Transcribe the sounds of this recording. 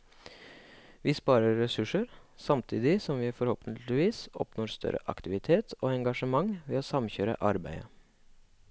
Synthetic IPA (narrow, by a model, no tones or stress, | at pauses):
ʋiːspɑːɾəɾːɛsʉʂəɾsɑmt̪ʰiːd̪ɪsɔmʋiːfɔɾhoːpənɪʋiːsɔ̰pnoːɾst̪ʰœ̰ɾʔə̰ʔɑ̰kt̪ɪʋɪt̪ʰeːt̪ʰoːɛŋɡɑʂəmɑŋʋeːoːsɑmçøːɾə̰ʔɑɾbæ̰ɪə